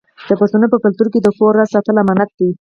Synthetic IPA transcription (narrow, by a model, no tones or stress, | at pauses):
d̪̥əpasunəpəkalt̪uɾked̪əxoɾːasɑt̪əlamanat̪̚d̪i